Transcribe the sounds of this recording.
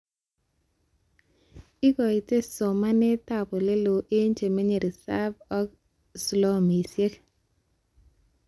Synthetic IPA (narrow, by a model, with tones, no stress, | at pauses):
ɪ˦ɡɔ˨i˨te˦so˨ma˦nɛ˦ta˨pɔ˨le˦lo˨ʔe˦ɲt͡ʃe˨me˦ɲe˨ɾi˨sa˦bɔ˦k | slɔ˦mi˨sje˦k